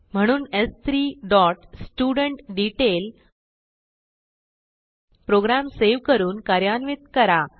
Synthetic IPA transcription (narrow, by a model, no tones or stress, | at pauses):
m̤əɽ̃uːnest̪ʰɾiːɖɔʈsʈuɽəɳʈɖiʈel | pɾoɡɾamseʋkəɾuːnkaɾjanʋit̪kəɾa